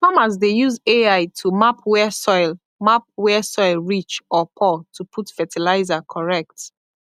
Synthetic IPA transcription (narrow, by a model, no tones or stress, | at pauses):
famas̬dejuzeaɪtʰumapʰwɛsɔɪl | map̚wɛsɔɪlɹit͡ʃɔpʰɔtʰupʰutfɛtʰilaɪzakʰɔɹɛk̚t